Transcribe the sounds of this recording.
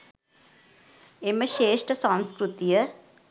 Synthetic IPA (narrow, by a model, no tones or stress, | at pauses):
eməʃeːʂʈəsãnskɾut̪ijə